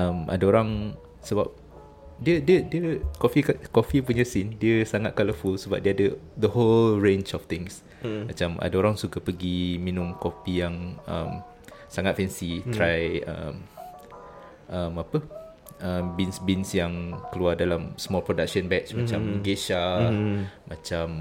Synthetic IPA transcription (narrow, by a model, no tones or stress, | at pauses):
əmʔa̰daoɾaŋ | səbap̚ | diədiədiəkofikakofipuɲəsindiəsaŋat̪̚kaləfulsəbap̚diəadəd̪əholɹẽnt͡ʃɔft̪ɪ̃ŋs | mat͡ʃamʔa̰daoɾaŋsukəpəɡiminʊ̃mkofijaŋə̰m | saŋat̪̚fɛnsit̪ɾajə̰m | ʔəmapə | ʔəmbinsbinsjaŋkəluardalamsəmɔlpɾodak̚ʃə̃nbɛt͡ʃmat͡ʃaməɡeʃa | mat͡ʃam